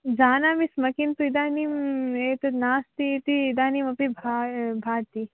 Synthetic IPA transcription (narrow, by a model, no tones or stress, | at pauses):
d͡ʒaːnaːmismɐkint̪uid̪aːnimet̪ɐnaːst̪it̪iːd̪aːnimɐpibʱabʱaːɾt̪i